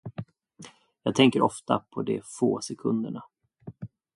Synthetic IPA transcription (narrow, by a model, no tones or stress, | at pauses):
jɑːɡ̚t̪ʰɛŋkəɾɔft̪apʰɔd̪ɛfoːsɛkʰɵnd̪əɳa